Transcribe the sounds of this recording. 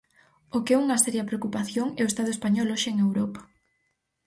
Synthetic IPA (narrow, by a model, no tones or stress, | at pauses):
okeɛuŋɐsɛɾjɐpɾeokupaθjoŋɛoest̪að̞oespaɲɔlɔʃeeŋewɾɔpḁ